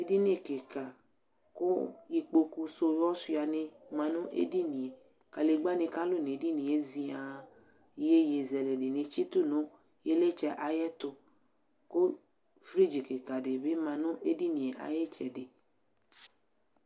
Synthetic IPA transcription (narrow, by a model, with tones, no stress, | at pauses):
e˨di˦nẽ˦˨ke˨ka˨ | ko˦i˧k͡po˧ku˧so˧jɔ˦su˦˧˦a˧nẽ˧mã˧nʊ̃˦ʔḛ˦di˦nĩ˨e˨ | ka˨le˨ɡ͡ba˦nẽ˧ka˦lʊ˦˨ne˨˦di˦nĩ˨e˦zi˧a˨˦ | je˦je˨zɛ˨le˨de˨nẽ˧t͡ʃi˦t̪u˦nõ˦ | je˦le˦t͡ʃɛ˧ʔa˨jɛ˦t̪ʊ˧ | ko˦ | fɾi˦d͡ʒi˨ke˨ka˨de˨be˦mã˧nʊ̃˦ʔe˦di˦nĩ˨e˨ʔa̰˨jɛ˦t͡ʃɛ̰˨de˨